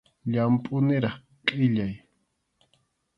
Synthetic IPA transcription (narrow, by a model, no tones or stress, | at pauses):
ʎampʼʊnɪɾɑχ | qʼɪʎaj